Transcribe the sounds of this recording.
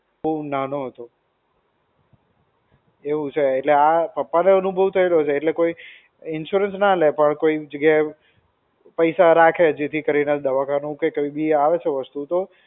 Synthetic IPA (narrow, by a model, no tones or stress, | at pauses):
ənanoɦət̪o | eʋũt͡ʃʰeːʈleapəpːaneənubʱəʋt̪ʰəelot͡ʃʰeːʈlekoi | ɪnʃuɾənsnalepəɳkoid͡ʒəɡjaɦe | pəjsaɾakʰed͡ʒet̪ʰikəɾined̪əʋakanũkekəʋibiaʋet͡ʃʰeʋəst̪ut̪o